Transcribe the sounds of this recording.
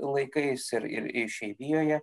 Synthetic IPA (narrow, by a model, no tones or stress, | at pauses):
lˠɐɪkɐɪsɪɾɪ̰ɾɪʃʲɛɪʋʲijoːjɛ